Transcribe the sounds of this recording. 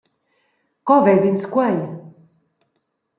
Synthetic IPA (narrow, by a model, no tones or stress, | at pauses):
kɔvɛzinskwaj